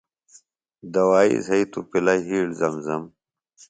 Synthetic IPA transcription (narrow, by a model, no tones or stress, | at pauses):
d̪ɐwaːḭzɐit̪upilɐjɦiːɽzɐmzɐm